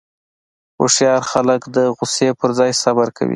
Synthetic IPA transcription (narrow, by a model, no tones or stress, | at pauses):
o̰ʂjɑɾxaləkd̪əɣʊsepəɾzɑjsabaɾka̰wḭ